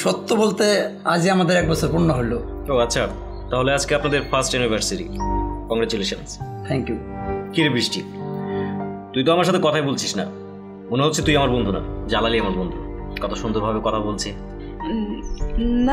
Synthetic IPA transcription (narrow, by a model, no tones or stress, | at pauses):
ʃɔt̪ːobolt̪ead͡ʑiamad̪eɾɛk̚bɔt͡ɕʰoɾpuɾnoɦolːo | oatːɕʰa | t̪aɦolead͡ʑkeapnad̪eɾfasʈɛunibʱaɾsiɾḭkɔŋɡɾat͡ɕuleʃanst̪ʰɛŋkju | kiɾebɾiʃʈi | t̪ujt̪oamaɾʃat̪ʰekɔt̪ʰaebolt͡ɕʰiʃna | moneɦotːt͡ɕʰet̪ujamaɾbond̪ʱuna̰d͡ʑalaliamaɾbond̪ʱukɔt̪ʰoʃund̪oɾbʱabekɔt̪ʰabolt͡ɕʰe | n